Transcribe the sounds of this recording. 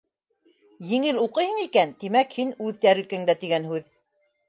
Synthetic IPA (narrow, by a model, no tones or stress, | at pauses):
jɘ̆ŋɘluqɤjhɤ̆ɴikænt̪imækhinʉðt̪æɾɘ̆kɘŋd̪æt̪iɡænhʉð